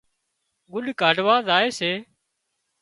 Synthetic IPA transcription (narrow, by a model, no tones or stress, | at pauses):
ɡʊɗkaːɖʋaːzaːeːseː